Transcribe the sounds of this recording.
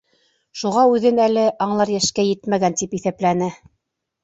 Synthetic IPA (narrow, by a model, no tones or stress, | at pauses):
ʃuʁɑʉðɘnælɘʔɑɴlˠɑɾjæʃkæjɘt̪mæɡænt̪ipiθæplænɘ